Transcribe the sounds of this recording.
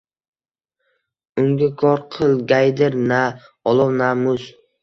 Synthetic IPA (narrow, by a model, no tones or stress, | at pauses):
ʊŋɡʲakʰɒɾqʰɨlˠɡʲajd̪ɪɾna | ɒlˠɒwnamʊz